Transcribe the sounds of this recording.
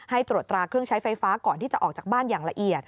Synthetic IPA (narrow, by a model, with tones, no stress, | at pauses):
ha˥˩jt̪ɾu˨˩t̪ːɾaː˧kʰɾɯ˥˩əŋt͡ɕʰa˦˥jfa˧jfaː˦˥kɔː˨˩nt̪ʰiː˥˩t͡ɕa˨˩ʔɔː˨˩k̚t͡ɕaː˨˩k̚baː˥˩njaː˨˩ŋla˧ʔi˨˩ət̪̚